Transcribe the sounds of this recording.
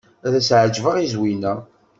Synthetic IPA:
æðæsʕd͡ʒvəʁizwinæ

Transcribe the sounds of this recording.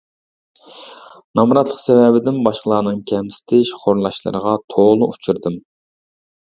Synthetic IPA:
nɑmɾɑt̪lˠəqsɛvɛbɪd̪ɪnbɑʃqəlˠɑːnɨŋkʲʰɛmsɪ̥t̪ʰɪʃχʰoɾlˠɑʃlˠɨ̰ɾəʁɑt̪ʰoʁlˠʊʔut͡ʃʰuɾd̪ɨm

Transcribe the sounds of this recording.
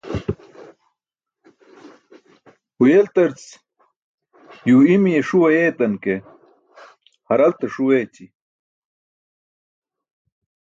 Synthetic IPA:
hujelt̪ɐɾt͡s | juːimijeʂuwɐjeːt̪ɐnke | hɐɾɐlt̪ɐʂuweːt͡ɕi

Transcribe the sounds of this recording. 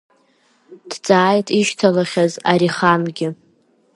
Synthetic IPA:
d̥t͡sʼaːjtʰʼiʃtʰalaχʲazaɾiχanɡʲɪ

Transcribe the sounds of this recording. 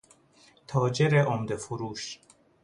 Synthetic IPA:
t̪ʰɒːd͡ʒeɾeʔomd̪efoɾuːʃ

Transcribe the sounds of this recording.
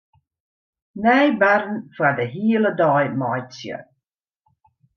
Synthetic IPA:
nɛjbaɾnfwadəɦiːlədɑjmajt͡sjə̰

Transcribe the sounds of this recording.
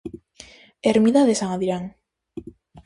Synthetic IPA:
eɾmiðaðesaŋaðiɾaŋ

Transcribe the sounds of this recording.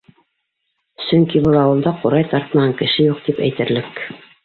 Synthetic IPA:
sɵŋkibɤlˠɑwɤ̆lˠd̪ɑqoɾɑjt̪ɑɾt̪ɤ̆mɑɑŋkɘ̆ʃɘjuq̚t̪ipæ̰jt̪ɘ̆ɾlɘk

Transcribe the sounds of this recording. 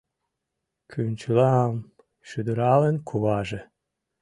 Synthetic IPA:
kʰynʲt͡ɕlɑm | ʃyd̪əɾɑlenkʰuβɑʒĕ

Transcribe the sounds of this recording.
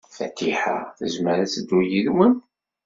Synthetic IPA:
fæ̰t̪ːiħa̰θə̰zməɾæt͡sːəd̪ːujiðmən

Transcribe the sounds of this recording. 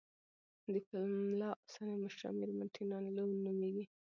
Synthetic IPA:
d̪əkɪlmlɑsaneməʃɾɑ̰miɾmanʈʰinɑnləwnumeɡi

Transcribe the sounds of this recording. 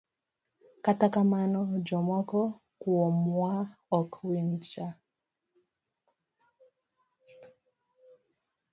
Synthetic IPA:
katakamanɔd͡ʒɔmɔkɔ | kuɔmwaɔkʰwint͡ʃa

